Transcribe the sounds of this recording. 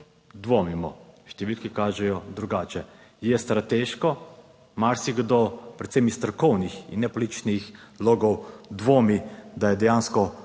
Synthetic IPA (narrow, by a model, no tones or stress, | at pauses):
d̪ʋomimɔʃt̪ɛʋilkikaːʒɛjɔd̪ɾuɡaːt͡ʃɛ | jɛst̪ɾat̪eːʃkɔ | maɾsiɡd̪opɾɛt̪semist̪ɾɔkɔwnixḭnːɛpolit͡ʃnixloːɡɔwd̪ʋoːmid̪ajɛd̪ɛjaːnskɔ